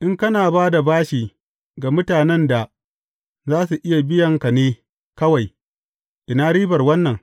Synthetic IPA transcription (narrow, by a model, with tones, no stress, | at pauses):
ʔɪ˦ŋkɐ˦naː˨baː˦da˨baː˦ʃiː˨ | ɡa˨mʊ˦taː˨nɛ˦nda˨ | zaː˦su˨ʔɪ˦ja˨bɪ˦jɐ˨ŋka˨neː˦ | kɐ˦wa˨j | ʔɪ˨naː˦ɾiː˦bɐ˨rwɐ˦nːɐ˨ŋ